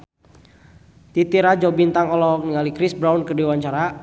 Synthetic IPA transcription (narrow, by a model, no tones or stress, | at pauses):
t̪it̪iɾad͡ʒɔbint̪aŋɔlɔk̚niŋalikɾisbɾawnkədiwaɲt͡ʃaɾa